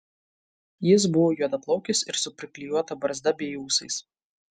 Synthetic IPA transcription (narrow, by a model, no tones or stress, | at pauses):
jɪs̬bʊʋoːjuɔd̪ɐplˠɐʊkʲɪsɪɾsʊpʲɾʲɪkʲlʲijuɔt̪ɐbɐɾzd̪ɐbʲiɛjuːsɐɪs